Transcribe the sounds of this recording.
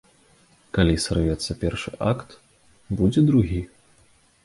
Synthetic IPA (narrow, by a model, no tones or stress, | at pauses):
kalʲisrvʲɛt̪sːɐpʲɛrʂɨ̰ʔa̰kt̪ | bud͡zʲɛd̪ɾuɣʲi